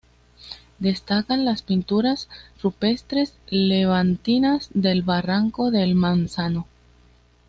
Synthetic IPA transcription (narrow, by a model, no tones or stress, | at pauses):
d̪e̞st̪akanlaspint̪uɾasrupe̞st̪ɾe̞sleβant̪inazd̪elβaraŋko̞ðe̞lmansano